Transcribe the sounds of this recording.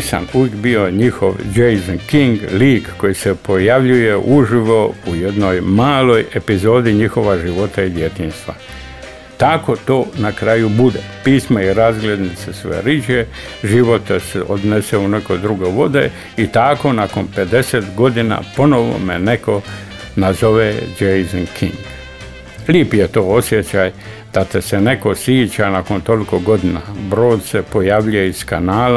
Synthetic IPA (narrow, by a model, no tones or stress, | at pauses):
sa̰nuʋekbioɲixo̰ʋd͡ʒejzonkiŋɡliːkːo̞jisepo̞jaʋʎuje̞ʔuʒiʋo̞ujed̪no̞jmaːlo̞je̞pizo̞ːd̪iɲixo̞ʋaʒiʋo̞t̪aid̪je̞t̪iːnst̪ʋa̰ | t̪ako̞t̪o̞ːnakɾajubud̪epiːsmaiɾazɡlʲed̪nit̪sesʋḛɾid͡ʒe | ʒiʋo̞t̪eseʔod̪neseuneko̞d̪ɾuɡoʋo̞d̪ḛ | it̪ako̞nakonpe̞d̪e̞set̪ɡo̞d̪ina̰ːpo̞no̞ʋo̰mene̞ko̞ | nazo̞ʋed͡ʒejzoŋkʰḭŋɡ | liːpjet̪oːo̞sje̞t͡ɕaːj | d̪̥at̪esene̞ko̞sjiːt͡ɕanakont̪o̞likoɡo̞d̪inabɾo̞ːd̪se̞po̞jaːʋʎujeiskanaːla